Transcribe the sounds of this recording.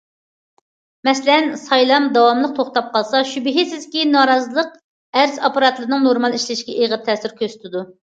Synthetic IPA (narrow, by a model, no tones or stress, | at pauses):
mɛslɛnsɑjlˠɑmd̪ɑwɑmlˠəq̚t̪ʰoχt̪ɑp̚qʰɑlˠsɑʃybɪɦɪsɪzkʲinɑːɾɑzɨlˠəq̚ | æɾzɑpɑɾɑt̪lˠɨɾɨnɨŋnoɾmɑlˠiʃlɪʃkʲɛʔeʁət̪ʰɛːsɪɾkʲøsy̥t̪ʰɪd̪u